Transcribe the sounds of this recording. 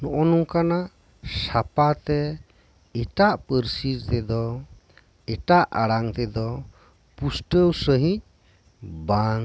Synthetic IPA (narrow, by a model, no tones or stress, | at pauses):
nɔʔɔnuŋkanaʔ | sapat̪ɛ | ɛʈaʔpəɾsiɾt̪ɛd̪ɔ | ɛʈaʔaɽaŋt̪ɛd̪ɔ | pusʈəwsəɦĩɲ̚ | baŋ